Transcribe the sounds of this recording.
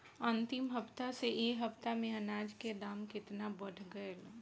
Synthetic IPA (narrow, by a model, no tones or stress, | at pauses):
ənt̪ɪmɦəpt̪aseʔeɦəpt̪amẽənaːd͡ʒked̪aːmkɪt̪nabəɽ̤ʱɡəel